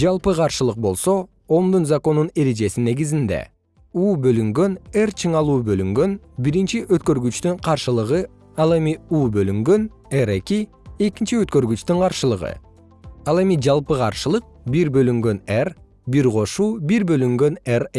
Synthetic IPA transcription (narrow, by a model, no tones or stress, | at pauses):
d͡ʒɑlˠpɯqʰɑɾʃɯlˠɯq̚bo̞lˠso̞ | omd̪unzako̞nune̞ɾe̞d͡ʒe̞sine̞ɡizind̪ḛ | uːbø̞lyŋɡø̞ne̞rt͡ʃʰɯɴɑlˠuːbø̞lyŋɡø̞n | biɾint͡ʃiʔøt̪kø̞ɾɡyt͡ʃt̪yɴqʰɑɾʃɯlˠɯʁɯ | ɑlˠe̞miuːbø̞lyŋɡø̞n | eɾe̞ki | e̞kint͡ʃiøt̪kø̞ɾɡyt͡ʃt̪yɴqʰɑɾʃɯlˠɯʁɯ̰ | ɑlˠe̞mid͡ʒɑlˠpɯqʰɑ̰ɾʃɯlˠɯq̚biɾbø̞lyŋɡø̞ner | biɾqʰo̞ʃuːbiɾbø̞lyŋɡø̞nere